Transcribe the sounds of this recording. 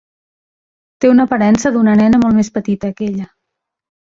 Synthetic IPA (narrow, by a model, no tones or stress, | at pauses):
t̪eunəːpəɾɛnsəðunənɛnəmɔlˠmespət̪it̪əːkɛʎə